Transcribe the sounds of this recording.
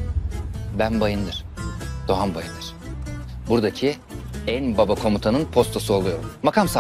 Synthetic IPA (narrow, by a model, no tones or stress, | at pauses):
bænbajɯnd̪ɯɾ̥d̪̥o̞ɦanbajɯnd̪ɯɾ̥ | buɾd̪acʰi | ænbabakʰo̞mut̪ʰanɯnpʰo̞st̪ʰo̞suolˠujo̞ɾumːakʰamsa